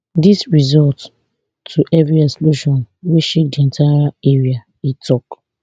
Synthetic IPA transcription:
disɹizɔlt | tʰuʔɛvɹiɛsluʃɔ̃nweʃek̚diẽntʰaɾaeɹia | itʰɔk

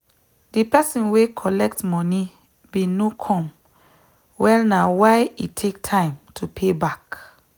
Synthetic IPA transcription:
dipɛsɔ̃nwekʰɔlɛk̚tmɔni | binokʰɔ̃m | wɛlnawaɪitʰektʰãɪ̃mtʰupʰebak

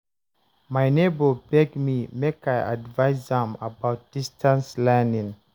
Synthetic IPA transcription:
majnebəbɛɡmimekaja̰dvaɪsðə̃mabaʊt̚d̥istʰãnslɛnĩŋ

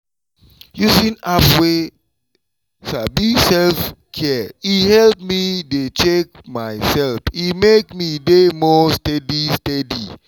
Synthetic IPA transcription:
jusĩnafwe | sabisɛlfkʰɛihɛlp̚midet͡ʃek̚maɪsɛlfimekmidemɔstɛdistɛdḭ

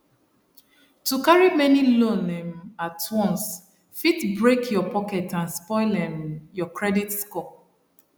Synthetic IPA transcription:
tukaɹimɛnilõnɛ̃matʰwɔ̃ns | fitbɹekʰjɔpɔkɛtãnspɔɪlɛ̃mjɔkʰɹɛditskɔ

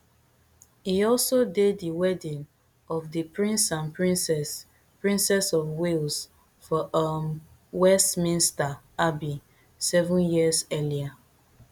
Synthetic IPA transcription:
hiɔlsodeddiwɛdĩn | ɔvðipɹĩnsãnpɹĩnsɛs | pɹĩnsɛsɔfwils | fɔʔam | wɛstmĩnsta | abi | sɛvũnjiəzɛlia

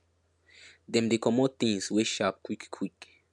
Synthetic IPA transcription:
d̪ɛ̃md̪ekɔmɔt̪ĩŋsweʃap̚kwikkʰwik

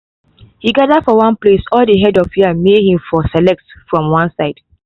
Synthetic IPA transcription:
hiɡadədfɔwãnplesɔldəɦɛdɔfhiãnmed̚hĩmfɔsɛlɛk̚tfɹɔ̃mwãnsaɪd̥

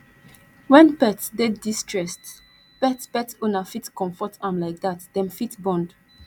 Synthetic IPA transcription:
wɛ̃npɛtsdeddistɹɛst | pɛtspɛtonafitkɔ̃mfɔtʰãmlaɪk̚datdɛ̃mfitbɔ̃nd

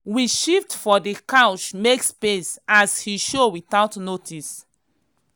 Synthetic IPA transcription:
wiʃiftfɔdikãʊt͡ʃmekspesashiʃowiθaʊtnotʰis

